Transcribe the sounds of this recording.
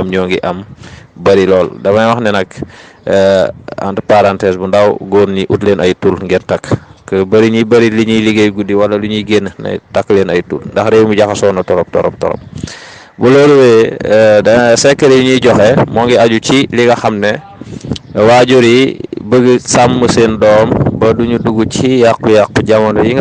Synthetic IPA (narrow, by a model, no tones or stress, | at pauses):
ɐmɲɔːŋɡiʔɐmbɐɾilɔːldɐmɐjwɐxnɛnɐk | a̰ntpaɾantɛsbundɐwɡɔːnɲiʔutleːnɐjtuːlŋɡɛntɐkːəbɐɾiɲibɐɾiliɲiliɡɐjɡudiwɐlɐluɲiɡɛnnɐ̰jtakːleːnɐjtṵlndɐxɾɛwmuɟaxɐsɔːnɐtɔɾɔp̚tɔ̰ɾɔ̰p̚tɔ̰ɾɔ̰p̚ | buloːɾuwedɐsɛkːəɾijuɲiɟɔxɛmɔːŋɡiaɟut͡ʃiliɡɐxɐmnɛ | waːɟuɾibəɡəsamːəsendɔːmbɐduɲuduɡucijak̚bujak̚buɟamɐndɐjiŋ